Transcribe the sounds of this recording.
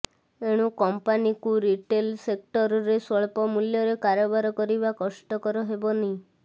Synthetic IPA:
eɽ̃ũkɔmpanikuɾiʈelsek̚ʈɔɾɔɾesɔɭpɔmuljɔɾekaɾɔbaɾɔkɔɾibakɔsʈɔkɔɾɔɦebɔneĩ

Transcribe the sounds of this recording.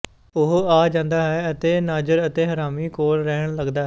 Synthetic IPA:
ʊɦaːd͡ʒãːnd̪aːɦɛːət̪eːnaːd͡ʒəɾət̪eːɦəɾaːmiːkoːlɾɛːəɳləɡd̪aːɦ

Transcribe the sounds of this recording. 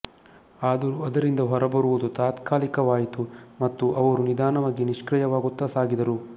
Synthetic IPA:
aːd̪ɐɾuɐd̪ɐɾind̪ɐɦɔɾɐbɐɾuʋud̪ut̪aːt̪kaːlikɐʋaːjit̪umɐt̪ːuʔɐʋɐɾunid̪aːnɐmaɡiniʂkɾɐjɐʋaːɡut̪ːɐsaːɡid̪ɐɾu

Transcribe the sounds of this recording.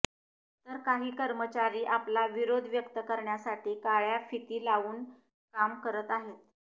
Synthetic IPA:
t̪əɾkaɦiːkəɾmət͡ɕaɾiːʔaplaʋiɾod̪ʱʋjəkt̪əkəɾɳjasaʈiːkaɭjafit̪iːlaʋuːn | kamkəɾət̪aɦet̪

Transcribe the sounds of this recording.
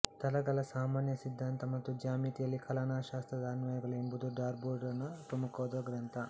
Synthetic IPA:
t̪ɐlɐɡɐlɐsaːmaːnjɐsid̪ʱːaːnt̪ɐmɐt̪ːud͡ʒaːmiːt̪ijɐlːikʰɐlanaːʃaːst̪ɾɐd̪aːnʋɐːjɐɡɐlɐimbud̪uɖaːɾbuːɾɖɐnːɐp̪umɐkoːd̪ɐɡɾɐnt̪ʰɐ

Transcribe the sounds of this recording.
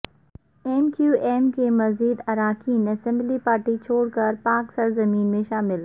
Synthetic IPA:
eːmkjuːʔeːmkʰeːmɐziːd̪ɐɾaːkʰiːnɐsɛ̃mblipaːɾʈit͡ɕʰoːɽkɐɾpaːksɐɾzɐmiːnmẽʃaːmɪl

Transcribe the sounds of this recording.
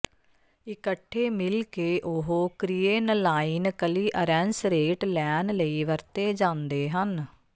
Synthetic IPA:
ɪkəʈʰːeːmɪlkeːʔʊɦoːkɾijeːnlaːinkəliːʔəɾɛnsɾeːʈlɛːnləiːʋəɾt̪eːd͡ʒãːnd̪eːɦən

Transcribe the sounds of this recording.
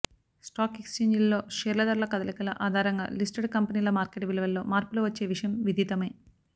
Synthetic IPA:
sʈaːkekst͡ʃeːɲd͡ʒɐlːo̞ːʃeːɾlɐd̪ɐɾlɐkɐd̪ɐlikɐlɐʔaːd̪ʱaːɾɐŋɡa̰ːlisʈɐɖkɐmpɐniːlɐmaːɾkeʈʋilɐʋɐlːoːmaːɾpuluʋɐt͡ʃːe̞ːʋiʂɐjɐmʋid̪ʱiːt̪ɐmeː

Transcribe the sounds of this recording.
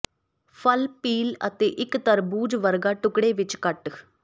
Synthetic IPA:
pʰəlpiːlə̰t̪eːʔɪkt̪əɾbuːd͡ʒʋəɾɡaːʈʊkɽeːʋɪt͡ʃkəʈ

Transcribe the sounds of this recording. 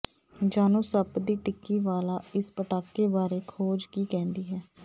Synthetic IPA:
d͡ʒaːnõːsəbd̪iːʈɪkːiːʋaːlaːɪspəʈaːkːeːbaːɾeːkʰoːd͡ʒkiːkɛ̃ːnd̪iːɦɛː

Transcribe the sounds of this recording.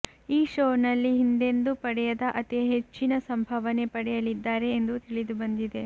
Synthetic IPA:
iːʃoːnɐlːiɦind̪e̞nd̪upɐɽɛjɐd̪ɐʔɐt̪iɦet͡ʃːinɐsɐmbʱɐʋɐne̞pɐɽɛjɐlid̪ːaːɾe̞ːnd̪ut̪iɭid̪ubɐnd̪id̪e̞

